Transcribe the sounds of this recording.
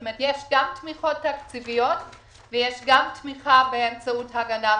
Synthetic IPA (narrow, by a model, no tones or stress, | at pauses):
met̪jeʃɡamtmiχo̞tːakt͡sivijot | vejeʃɡamtmiχabeemt͡sauthaɡana